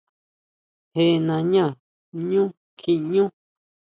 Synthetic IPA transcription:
he˧˨˧nã˧ɲã˦˨ | ɲũ˦ | kʰi˧ɲũ˦

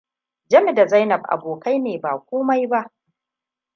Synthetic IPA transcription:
d͡ʒɐ˦mɪ˨da˨za˦jnɐ˨b̚ʔa̰˨boː˨kʰa˦jneː˨baː˨kʷoː˦ma˦jba˦ʔ

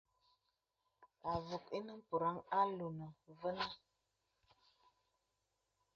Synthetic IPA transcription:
a˨vu˨ki˦nə˦m˦pu˨ɾa˦ŋa˦lu˨nə˨və˦nə˦

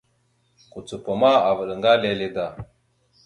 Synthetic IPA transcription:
ku˨t͡su˨pa˨ma˦a˨və˨ɗə˨ŋɡa˦le˦le˦da˨

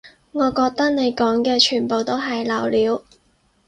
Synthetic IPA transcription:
ŋɔː˨˧kɔː˧k̚t̪ɐ˥k̚ne˨˧jkɔː˨˥ŋkɛː˧t͡ʃʰyː˨˩npo˨wt̪o˥wɦɐ˨jlɐ˨˩wliː˨˧˥w

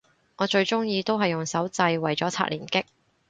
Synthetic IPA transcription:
ŋɔː˨˧t͡ʃɵ˧ɥt͡ʃʊ˥ŋjiː˧t̪o˥wɦɐ˨jːʊ˨˩ŋsɐ˨˥wt͡sɐ˧jwɐ˨˩jt͡sɔː˨˥t͡sʰa̰ː˧k̚liː˨˩nkɪ˥k̚

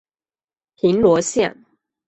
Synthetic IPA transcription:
pʰi˨˦nlwɔ˧˥ɕja̰˥˨ŋ

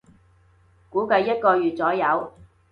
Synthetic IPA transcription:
kuː˨˥kɐ˧jːɐ˥t̚kɔː˧jyː˨t̚t͡sɔː˨˥jɐ˨˧w

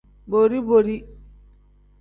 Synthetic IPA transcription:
boɾi˦boɾi˦

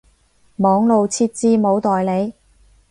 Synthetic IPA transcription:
mɔː˨˥ŋlo˨˧wt͡sʰiː˧˥t̚t͡siː˥mo˨˧wt̪ɔː˨jle˨˧j

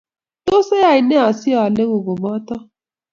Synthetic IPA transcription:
to˦se˦ja˨i˨ne˦a˨si˦ɔ˦˨a˨le˦ɣo˨ɡo˨mɔ˦tɔ˦

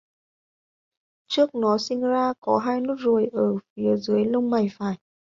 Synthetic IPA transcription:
t͡ɕɨ˦˥ək̚nɔ˨˦sï˧ŋ̟zaː˧kɔ˨˦ɦaː˧jnu˦˥t̚zu˨˩əjʔəː˧˩fi˨˦əzɨː˨˦əjlə˧wŋ͡mma˨˩jfaː˧˩j

